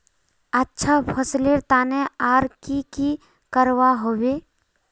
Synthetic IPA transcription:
ətːʃʰapʰəsleɾt̪aːneaːɾkiki | kəɾwaɦowe

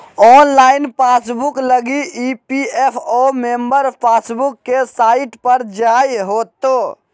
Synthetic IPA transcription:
ɔːnlaːɪnpaːsbʊkləɡiiːpiepʰoːmẽːmbəɾpʰaːsbʊkːesaːɪʈpəɾd͡ʒaːjɦoːt̪oː

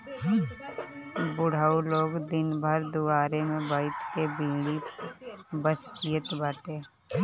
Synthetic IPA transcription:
bʊɽ̤aːuloːɡd̪ɪnbʱəɾd̪ʊaːɾemẽbaːɪʈkebĩːɽi | bəskijət̪baːʈeː

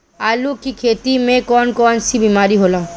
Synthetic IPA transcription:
alukikʰet̪imẽkɔnkɔnsʰibimaɾiɦola

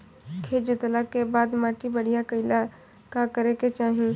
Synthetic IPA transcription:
kʰeːd͡ʒʊt̪lakebaːd̪maːʈibəɽ̤ijakəɪla | kakəɾeket͡ʃaːɦẽ

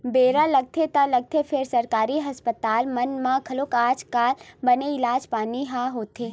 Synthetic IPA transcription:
beɾaləɡ̚t̪ʰet̪aləɡ̚t̪ʰepʰeɾsəɾkaːɾiɦəspət̪aːlmənmãkʰəlokaːd͡ʒkaːlbəneɪlaːd͡ʒpaːniɦaɦot̪ʰe

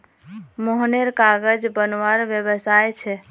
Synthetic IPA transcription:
moɦneɾkaɡəd͡ʒbənʋaɾbjəbəsajt͡ʃʰɛ

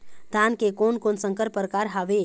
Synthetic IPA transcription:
d̪ʱaːnkekonkonsə̃ŋkəɾpəɾkaːɾɦaʋe

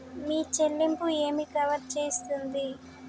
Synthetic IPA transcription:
miːt͡ʃelːimpue̞ːmikɐʋɐɾt͡ʃeːst̪und̪i

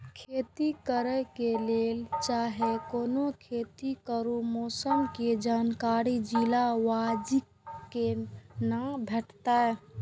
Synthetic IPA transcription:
kʰet̪ikəɾəkelelt͡ʃaɦekonokʰet̪ikəɾumosəmked͡ʒankaɾid͡ʒilaʋad͡ʒi | kːenãbʱeʈt̪ae

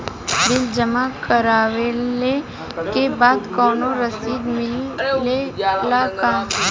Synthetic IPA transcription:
d̪ɪld͡ʒəmakəɾaːʋele | kebaːd̪kɔːnoɾəsiːd̪mɪlːelakaː

